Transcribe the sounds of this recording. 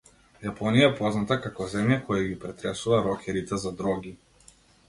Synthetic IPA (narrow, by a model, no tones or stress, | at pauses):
japɔnijaɛpɔznat̪akakɔzɛmjakɔjaɡipɾɛt̪ɾɛsuvaɾɔkʲʰɛɾit̪ɛzad̪ɾɔɡi